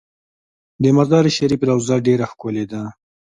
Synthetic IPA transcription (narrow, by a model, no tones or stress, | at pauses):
d̪əmaɾd̪ɑɾəʃaɾipɾawzaɖeɾaxkʊled̪a